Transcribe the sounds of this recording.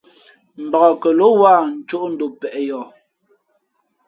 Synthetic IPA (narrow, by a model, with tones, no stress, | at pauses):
m̩˨bɔ˨ɣɔ˨kɛ˨lo˦wa˦˨n̩˨t͡ʃo˦ʔn̩˦do˨pɛ˨ʔjɔ˨